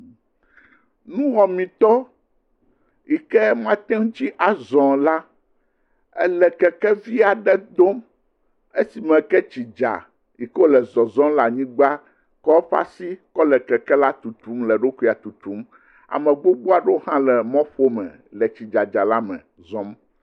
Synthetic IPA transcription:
nũ˦ɦɔ˨mĩ˨t̪ɔ˦ | i˨kɛ˦mã˦t̪ɛ˦ŋ̃˦t͡ʃi˦ʔa˨zɔ̃˨la˦ | ɛ˦lɛ˨kɛ˨kɛ˦vi˦a˨ɖɛ˦d̪o˦m | e˦si˨mɛ̃˨kɛ˦t͡ɕi˨d͡ʒa̰˨ | i˨klɛ˨zɔ˨zɔ̃˦la˨ɲĩ˦ɡ͡ba˦ | kɔ˦ɸa̰˦si˦kɔ˦lɛ˨kɛ˨kɛ˦la˦t̪u˨t̪u˨˦mlɛ˨ɖo˦ku˦˨a˨t̪u˨t̪u˦m | a̰˨mɛ̃˨ɡ͡bo˦ɡ͡bo˦a˨ɖo˦hã˦lɛ˨mɔ̃˦ɸo˦mɛ̰̃˨ | lɛ˨t͡ɕi˨d͡ʒa˨d͡ʒa˨la˦mɛ̰̃˨ | zɔ̃˦m

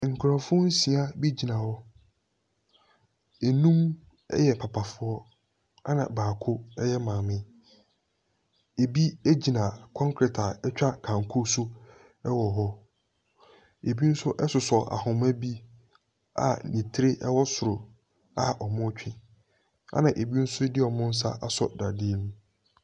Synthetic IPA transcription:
ŋ̩˨kʰʊ˨ɾã˨fʊ̃˦n̩˦si˨a˦bi˦d͡ʑi˨nã˨wɔ˦ | e˨nũ˦m | ɛ̰˦jɛ˨pʰa˨pʰa˨fʊ˨˦ɔ˦ | a˦nã̰˨baː˨kʰʊ˦ɛ˦jɛ˦mãː˨mɪ̃˦ | e˨bi˦e˦d͡ʑi˨nã˨kʰɔ̃˦ŋkʰɾɛ˨tʰa˨ɛ˦t͡ɕᶣa˦kʰã˨ŋkʰʊ˦su˦ | ɛ˦wɔ˨ɦɔ˦ | e˨bi˦n̩˦sʊ˦ʔɛ˦sʊ˨sɔ˨ʔa̰˨hʊ̃˨mæ̃˦bi˦ | a̰˨nĩ˨tʰɪ˦ɾɪ˦ʔɛ˦wɔ˦sʊ˨ɾʊ˨ | a˨ʔɔ˨mʊ̃˦t͡ɕᶣĩ˦ | a̰˦nã˨ʔe˨bi˦n̩˦sʊ˦dɪ˦ɔ˨mʊ̃˦n̩˦s̬a̰˦ʔa˦sɔ̰˨da˨di˦nũ˦

